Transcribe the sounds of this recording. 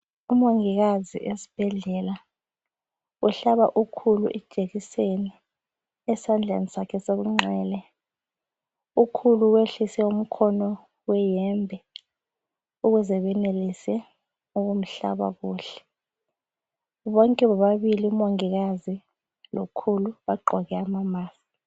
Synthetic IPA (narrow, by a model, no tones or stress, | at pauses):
umoŋiɣazḭʔesi̥b̥ʱɛɮɛla | uɬaɓaʔukʰuluʔɛ̥ʒ̥ʱeɣiseni | ɛsand͡ɮʱa̰nisakʰɛseɣuŋ͡ǁɛːlɛ | ukʰuluweɬisɛum̩kʰɔnɔ | wɛjɛmbʱɛ | uk̬uzɛɓɛnelisɛ | uk̬um̩ɬa̰ɓa̰kuːɬɛ̥ | ɓɔŋkʼɛɓaɓaɓiliumoŋik̬azi | lo̰kʰuluɓaɡ͡ǃʱɔkɛamamaːsi̥